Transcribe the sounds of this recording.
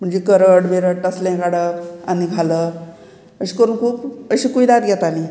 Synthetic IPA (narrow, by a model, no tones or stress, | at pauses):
m̤əɳd͡zekəɾəɽʋeɾəʈəslɛ̃kaɽəaniɡʱalə | əɕi̥kəɾuːnkʰuːpəɕiːkuid̪at̪ɡʱjɛt̪ani